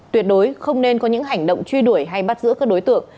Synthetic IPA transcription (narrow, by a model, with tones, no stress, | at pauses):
t̪wi˨˩ət̚ɗo˨˦jxə˧wŋ͡mne˧nkɔ˨˦ɲɨ̰˧˥ŋɦa˨˩jŋ̟ɗo̰˧˨wŋ͡mt͡ɕwi˧ɗu˧˩əjɦa˧jɓa˦˥t̚zɨ̰˧˥kaː˦˥k̚ɗo˨˦jt̪ɨ̰˧˨əŋ